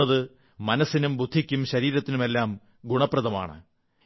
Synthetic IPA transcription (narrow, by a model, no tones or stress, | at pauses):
ɐðɨ | mɐnɐsːinumbud̪ʱːikʲːumɕɐɾiːɾɐt̪ːinume̞lːaːm | ɡuɳɐprɐðɐma̰ːɳɨ̰